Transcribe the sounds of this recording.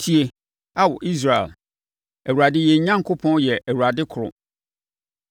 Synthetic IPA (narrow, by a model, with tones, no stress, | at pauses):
tʰi˦e˨ | a˦wʊ˨ʔi˦s̬ɾa˨ɛ̰˨l | æ˨wu˨ɾa˨dɪ˦jɛ˨˦ɲã˦ŋ˦kʰo˦pʰɔ̃˦njɛ˨ʔæ˨wu˨ɾa˨dɪ˦kʰʊ˨ɾʊ̰˨